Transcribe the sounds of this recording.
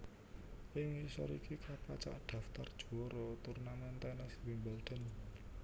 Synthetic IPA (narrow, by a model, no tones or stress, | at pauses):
ʔɪŋisɔ̰ɾikikapat͡ʃa̰ʔɖ̥ä̤ft̪ard̥ʒ̥ṳɔɾot̪urnamant̪ɛnɛswimbɛlɖ̪̥ə̤n